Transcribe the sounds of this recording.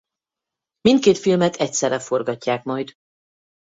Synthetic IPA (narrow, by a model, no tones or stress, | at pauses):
mint̪̚keːt̪filmɛt̪ʰɛcsɛrːɛfo̞rɡɒcːaːkmɒjd̪